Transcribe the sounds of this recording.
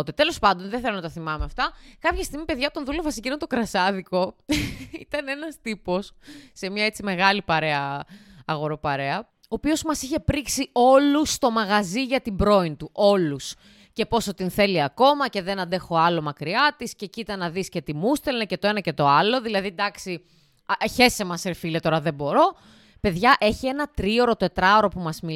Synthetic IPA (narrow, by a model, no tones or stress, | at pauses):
t̪it̪e̞lo̞spɐnd̪o̞nðeθelonɐt̪ɐθimɐmeɐft̪ɐkɐpçɐst̪iɣmipeðʝɐt̪o̞nðulo̞vɐsicinnt̪okɾɐsɐðiko̞ | it̪ɐnenɐst̪ipo̞sːe̞mɲɐet͡sime̞ɣɐlipɐɾe̞ɐː | ɣo̞ɾo̞pɐɾe̞ɐ | oːpio̞zmɐsiçe̞pɾiksio̞lust̪o̞mɐɣɐziʝɐt̪ibɾo̞int̪uʔo̞lus | ce̞po̞sot̪inθe̞liɐko̞mɐce̞ðe̞nɐnd̪e̞xo̞ɐlo̞mɐkɾiɐt̪iscecit̪ɐnɐðisce̞t̪imust̪elnɐce̞t̪o̞e̞nɐce̞t̪o̞ɐlo̞ðilɐðid̪ɐksi | çe̞semɐseɾfile̞t̪o̞ɾɐðe̞bo̞ɾo̞ | pe̞ðʝɐʔe̞çie̞nɐt̪ɾio̞ɾo̞t̪e̞t̪ɾɐoɾo̞pumɐzmi